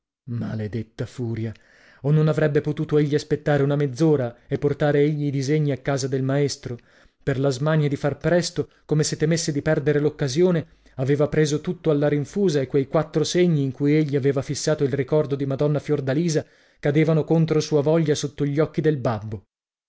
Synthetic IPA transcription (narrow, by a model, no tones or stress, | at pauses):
ma̰led̪et̪ːafuːɾja | onːonavɾɛbːepot̪uːt̪oeʎːiaspet̪ːaːɾeunamed̪zːoːɾaepːort̪aːɾeeʎːiːd̪izeɲːiakːaːzad̪elmaest̪ɾo | perlazmaɲːad̪ifarpɾɛst̪o | komeset̪ːemesːed̪ipɛrd̪eɾelokːazjoːne | aveːvapɾeːzot̪ut̪ːoalːaɾiɱfuːzaekːwejkwat̪ːɾoseɲːiːŋkujeʎːiaveːvafisːaːt̪oilrikɔrd̪od̪imad̪ɔnːafjord̪aliːza | kad̪eːvanokont̪ɾosuːavɔʎːasot̪ːoʎːɔkːid̪elbabːo